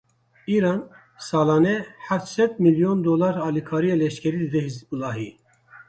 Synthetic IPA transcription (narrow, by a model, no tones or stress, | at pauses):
iɾɑn | sɑːlɑːnɛħæft̪sɛd̪miljond̪olɑɾɑːlikʰɑːɾijelɛʃkʲʰɛɾid̪ɨd̪ɛɦizulɑːɦi